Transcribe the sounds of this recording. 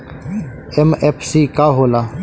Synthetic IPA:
emepʰsiːkaːɦoːlaː

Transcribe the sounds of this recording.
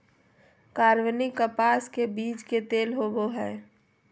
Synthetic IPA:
kaːɾwənikəpaːskebiːt͡ʃket̪eːlɦoboɦɛː

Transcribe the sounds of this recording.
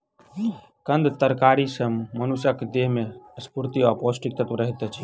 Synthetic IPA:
kə̃nd̪t̪əɾkaɾisəmːənusəkd̪eɦmeəspuɾt̪iapɔsʈik̚t̪ət̪ɾəɦit̪ɛt͡ʃʰi

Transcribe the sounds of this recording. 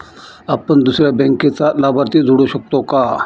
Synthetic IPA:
apəɳd̪usɾjabɛ̃ŋket͡salabʱaɾt̪iːd͡zʱuɽuɕək̚t̪oka

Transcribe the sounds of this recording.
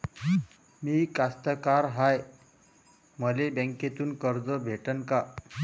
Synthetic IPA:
miːkast̪əkaɾɦaj | məlebə̃ŋket̪uːnkəɾd͡zəbʱeʈənka

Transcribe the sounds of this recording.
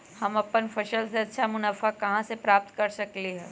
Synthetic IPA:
hɐmɐpənfʰɐʃəlseɐtːʃʰamʊnaːfakɐɦãsepɾaːp̚t̪kɐɾsɐkliɦɛː

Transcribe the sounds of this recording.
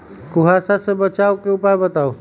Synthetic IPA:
kuɦasasẽbət͡ʃaokeupajbət̪ao

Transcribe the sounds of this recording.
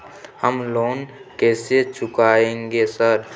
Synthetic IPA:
həmloːnkɛːset͡ʃʊkaːẽːŋɡesəɾ

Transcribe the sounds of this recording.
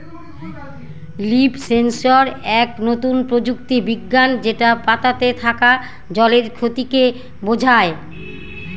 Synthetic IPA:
lipsensoɾɛknot̪unpɾod͡ʑukt̪ibiɡːand͡ʑeʈapat̪at̪et̪ʰaka | d͡ʑɔleɾkʰot̪ike | bod͡ʑʱae

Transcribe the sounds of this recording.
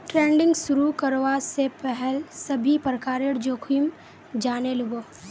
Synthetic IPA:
ʈɾẽːɳɖɪ̃ŋɡsʊɾukɐɾoʋasepɛɦɛlsɐbʱipɾkaːɾɪɽd͡ʒoːkʰim | d͡ʒaːnelʊɡoː

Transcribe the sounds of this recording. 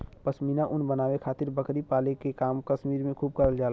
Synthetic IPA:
pəsmiːnaʔʊnbənaːwekʰaːt̪ɪɾbəkɾipaːlekekaːmkəʃmiːɾmẽkʰuːb̚kəɾəld͡ʒaːl

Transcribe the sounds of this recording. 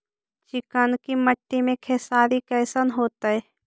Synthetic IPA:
t͡ʃɪkənkiməʈːimẽkʰɛːsaːɾikɛːsənɦoːt̪aɦɛː

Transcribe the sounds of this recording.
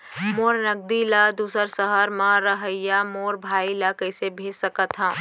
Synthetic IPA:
moːɾnəɡ̚d̪ilad̪uːsəɾsəɦəɾmãɾəɦəjamoːɾbʱaːilakəɪsebʱeːsəkət̪ɦãː

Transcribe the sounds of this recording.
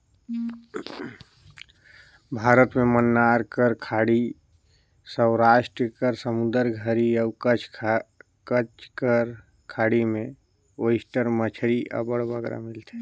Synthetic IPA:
bʱaɾət̪memənːaɾkəɾkʰaɽi | səʊɾaʃʈɾəkəɾsəmud̪əɾɡʱəɾiəʊkət͡ʃʰ | kət͡ʃkəɾ | kʰaɽimẽ | osʈəɾmət͡ʃʰɾiʔə̰bəɽbəɡɾa̰mɪlt̪ʰe̥

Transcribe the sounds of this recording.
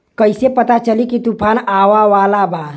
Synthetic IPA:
kəjsepət̪at͡ʃəlikit̪upʰanaʋaʋalaba

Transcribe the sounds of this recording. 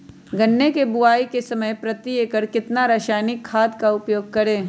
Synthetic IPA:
ɡɐnːekebʊaːikesɐməjpɾɐt̪iekəɾkɪt̪naɾaːʃaːjnɪkʰːaːd̪kaʊpjoːɡ̚kɐɾẽː

